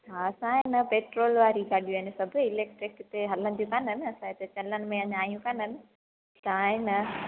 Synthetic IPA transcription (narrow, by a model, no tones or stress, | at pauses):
aːsaːjnɐpeʈɾoːlʋaːɾikɐɖjenɐsɐbʱɐilek̚ʈɾekːt̪eɦɐlːɐnd̪jukanɐnɐsaːjt̪ɨt͡ʃɐlːɐnmɐjaɲaːjũkanɐn | saːjnɐ